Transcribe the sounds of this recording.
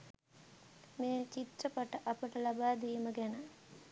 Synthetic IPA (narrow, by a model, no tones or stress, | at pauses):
meːt͡ʃit̪rəpaʈəʔapəʈəlabaːd̪ijməɡænə